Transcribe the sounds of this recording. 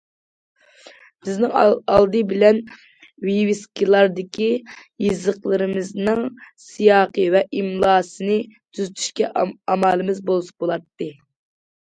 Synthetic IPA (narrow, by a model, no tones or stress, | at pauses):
b̥ɪznɪŋɑlˠd̪ɨbɪlɛn | wiwiskʲilˠɑɾd̪ɪkʲijizəqlˠɨɾɨmɨznɨŋsijɑːqəvɛʔimlˠɑːsɨnɨt̪ʰyzyt̪ʰy̥ʃkʲɛɑmɑlˠɨmɨzbolˠsbolˠɑt̪ːɨ